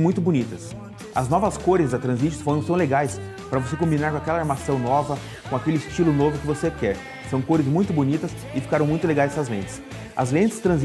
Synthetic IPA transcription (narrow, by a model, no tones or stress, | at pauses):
mũj̃t̪ʊbunit̪ɐs | ɐznɔvɐskoɾɪzd̪ɐt̪ɾɐ̃zmit͡ʃɪsfoɾɐ̃t̪ɐ̃w̃leɡajs | pɾɐvosekõmbinaɾkõakɛlɐaɾmasɐ̃w̃nɔvɐ | kõakelɪst͡ʃilʊnovʊkɪvosekɛɾ | sɐ̃w̃koɾɪzmũj̃t̪ʊbunit̪ɐs | ɪfi̥kaɾɐ̃w̃mũj̃t̪ʊleɡajsɐzlẽnt͡ʃ̪ɪ̥s | ɐ̰zlẽnt͡ʃ̪ɪst̪ɾɐ̃z